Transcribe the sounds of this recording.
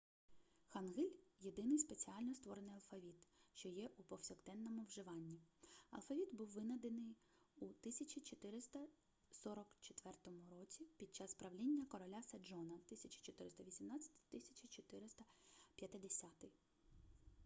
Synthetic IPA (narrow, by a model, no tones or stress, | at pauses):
xɐnɦɪlʲjed̪ɪnɪjspet͡sʲiɑlʲnɔst̪ʋɔɾenɪjɐlˠfɐʋʲit̪ʃt͡ʃɔjɛʔupɔwsʲɔkt̪ɛnːɔmʊwʒɪʋɑnʲːiɐ̰lˠfɐʋʲit̪buwːɪnɐd̪enɪj | ut̪ɪsʲɐt͡ʃit͡ʃɔt̪ɪɾɪst̪ɐ | sɔɾɔkt͡ʃɔt̪ʋɛrt̪ɔmʊɾɔt͡sʲipʲid̪̚t͡ʃɑspɾɐʋlʲinʲːɐkɔɾɔlʲasɐd͡ʒɔnɐwt̪ɪsʲɐt͡ʃi̥t͡ʃɔt̪ɪɾɪst̪ɐʋʲisʲimnɑt͡sʲɐ̥t̪ʲɪ̥t̪ɪsʲɐt͡ʃʲit͡ʃɔt̪ɪɾɪst̪ɐpʲjɐt̪ɪd̪esʲat̪ɪj